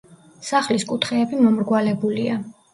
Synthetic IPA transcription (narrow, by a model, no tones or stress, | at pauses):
saχliskʼut̪ʰχɛːbimɔmɾɡwalɛbulia